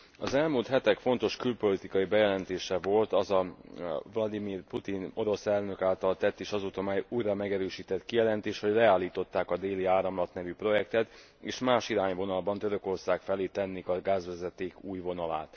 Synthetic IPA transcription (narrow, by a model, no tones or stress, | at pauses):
ɒzɛlmuːlt̪hɛt̪ɛkfo̞nt̪o̞ʃkylpo̞lit̪ikɒibɛjɛlɛnt̪eːʃɛvo̞lt̪ɒzɒvlɒd̪imiːrput̪ino̞ɾo̞sɛlnø̞kaːlt̪ɒlt̪ɛt̪ːeːʃɒzuːt̪omɛjuːjrɒmɛɡɛɾøːʃiːt̪ɛt̪kijɛlɛnt̪eːʃho̞ɟlɛaːlːiːt̪o̞t̪ːaːkɒd̪eːliaːɾɒmlɒt̪nɛvypro̞jɛkt̪ɛt̪ | eːʃmaːʃiɾaːɲvo̞nɒlbɒnt̪øɾø̞ko̞rsaːkfɛleːt̪ɛnːikɒɡaːzʋɛzɛt̪eːkuːjvo̞nɒla̰ːt̪